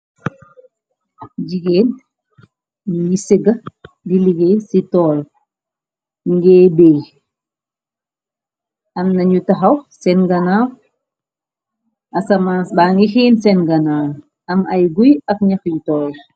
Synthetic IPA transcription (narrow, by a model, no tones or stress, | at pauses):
d͡ʒiɡeːn | jisiɡa | diliɡesitɔːl | ŋɡɛːbej | ʔamnaɲutaɦawsɛnɡanaw | ʔasamasbaːŋɡihiːnsɛnɡanaːw | ʔamajɡujakɲaxjutɔːl